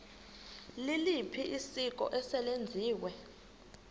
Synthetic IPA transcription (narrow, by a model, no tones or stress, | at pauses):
lilipʰiʔisik̬ʼɔ̰ʔɛsɛlend͡zʱiːwɛ